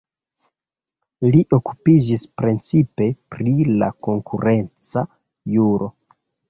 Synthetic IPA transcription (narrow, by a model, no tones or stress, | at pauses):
liʔo̞ku̥pid͡ʒispɾent͡sipe̞pɾila̰ko̞ŋkuɾe̞nt͡sa | juɾʔo̞̰